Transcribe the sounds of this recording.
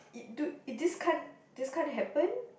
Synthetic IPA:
dudiskʰãn | diskʰãnɦɛpə̃n

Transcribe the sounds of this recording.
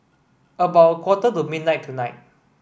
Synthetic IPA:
əbaʊt̚kʰwɔtətumid̚ⁿnaɪtʰːunaɪt̚

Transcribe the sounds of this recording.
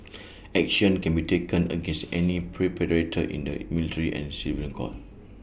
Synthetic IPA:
ɛk̚ʃə̃nkɛ̃nbitekə̃nə̰ɡɛ̃nsɛnipʰɹipɛɹetʰəʔḭ̃ndə̰militʰəɹiʔɛ̰̃nsivlĩnkʰɔ̰t̚

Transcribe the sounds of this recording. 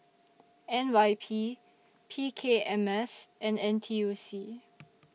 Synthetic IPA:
ɛ̃nwajpʰi | pʰikʰeɛ̃mɛsʔɛ̃nɛ̃ntʰiusi

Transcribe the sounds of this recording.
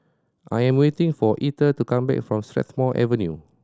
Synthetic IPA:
ʔajɛ̃mwetɪ̃ŋfɔʔitətukãmbɛ̰kfɹɔ̃mstɹɛ̰t̪mɔʔɛ̰və̃njṵ

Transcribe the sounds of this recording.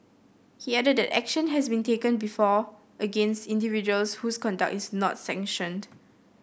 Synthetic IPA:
hiɛdəd̚dɛtɛ̰kʃə̃nɦɛsbĩntekə̃nbifɔ | ʔəɡẽnstĩndivid͡ʒuəlshuskɔ̃nda̰k̚tisnɔ̰tsɛ̃ŋʃə̃nd

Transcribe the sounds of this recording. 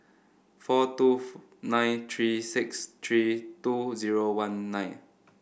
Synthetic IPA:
fɔtu | nãjnt̪ʰɹisɪkst̪ʰɹituziɹowãnːãj̃n

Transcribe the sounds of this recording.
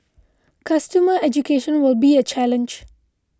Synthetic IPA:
kʰʌstəməɛd͡ʒukʰeʃə̃nwɪlˠbiɨt͡ʃʰælə̃nd͡ʒ

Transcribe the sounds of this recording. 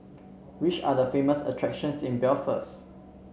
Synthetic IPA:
wit͡ʃa̰dəfeməsə̰tʰɹɛkʃə̃nsĩnbɛlfə̰s

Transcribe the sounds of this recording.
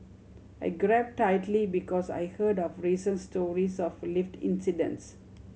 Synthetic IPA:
ajɡɹɛp̚tːaɪtlibikɔsa̰jhədɔfɹisə̃nstɔɹisɔfliftḭ̃nsidə̰̃ns

